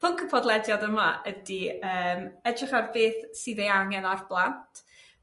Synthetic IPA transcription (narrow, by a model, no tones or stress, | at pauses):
pʰʊŋkʰəpʰɔdlˠɛdjadəmaʔədiəːmɛdrɪχarbeːθsɨðejaŋɛnarblˠantʰ